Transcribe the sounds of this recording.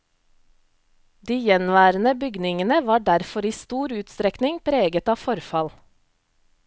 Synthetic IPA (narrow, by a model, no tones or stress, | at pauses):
d̪iːjɛnʋæːɾənəbʏɡnɪŋənəʋɑːɖæɾfɔɾiːst̪uːɾʉːt̪st̪ɾɛknɪŋpʰɾeːɡət̪ɑːfɔɾfɑl